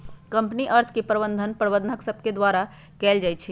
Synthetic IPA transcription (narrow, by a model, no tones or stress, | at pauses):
kəmpniʔəɾt̪ʰkepɾəbə̃nd̪ʱənpɾəbəd̪nəksəb̚ʱked̪waɾa | kɛld͡ʒajt͡ʃʰi